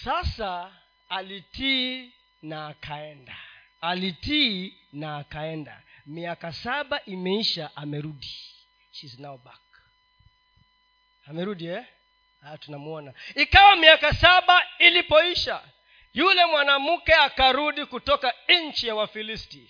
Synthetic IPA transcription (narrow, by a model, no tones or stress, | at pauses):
sasa | aliti | naːkʰaɛnda | alitiːnaːkaɛnda̰miakasaɓaʔimɛiʃaʔamɛɾuɗi | ʃizinaɔɓak̚ḁ | amɛɾuɗiɛ | atunamuɔnaikawamiakasaɓailipɔiʃa̰ | julɛmwanamukɛakaɾuɗikutɔkaɲ̩t͡ʃijawafilisti